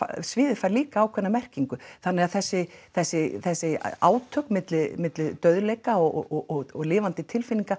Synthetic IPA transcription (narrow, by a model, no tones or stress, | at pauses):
a̰svɪːðɪfaɾliːkaːwkʰvɛnːamɛr̥ciŋkʏθanːɛɣaðθɛsːɪθɛsːɪθɛsːɪa̰ːwt̪ʰœknmɪt̪lɪmɪt̪lɪt̪œɥðlejkaɔɔɔɣɔɣlɪːvant̪ɪt̪ʰɪlfɪnːiŋka